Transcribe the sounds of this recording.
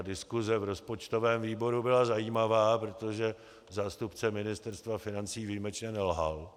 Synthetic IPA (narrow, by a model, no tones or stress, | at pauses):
dɪskuzɛvɾo̞spo̞t͡ʃt̪o̞vɛːmviːbo̞ɾubɪlazajiːmavaːpɾot̪o̞ʒɛ | zaːst̪upt͡sɛmɪnɪst̪ɛɾst̪vafɪnant͡siːviːmɛt͡ʃɲɛnɛlɦa̰l